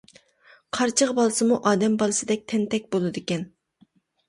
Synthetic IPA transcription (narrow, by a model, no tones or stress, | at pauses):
qʰɑɾt͡ʃʰəʁbɑlˠɨsɨmuʔɑːd̪ɛmbɑlˠɨsɨd̪ɛk̚ʲt̪ʰɛnt̪ʰɛk̚ʲbolˠɨd̪ɪkʲɛn